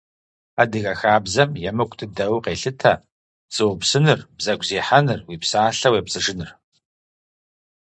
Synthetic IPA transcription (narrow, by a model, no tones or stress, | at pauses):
adɨɣɐxaːbzɐmjɛmɨkʷʼtʰɨdɐwqeːɬɨtʰɐ̰ | t͡sʼɨwʊpsɨnɨrbzɐɡʷzeːħanɨrwiːpsaːɬɐweːpsʼɨʐɨnɨr